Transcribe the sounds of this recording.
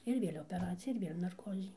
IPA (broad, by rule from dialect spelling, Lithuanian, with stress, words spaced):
ɪr ˈʋʲeːlʲ oːpʲɛˈrɑːt͡sʲɪjɛ ɪr ˈʋʲeːlʲ nɐrˈkoːzʲɪ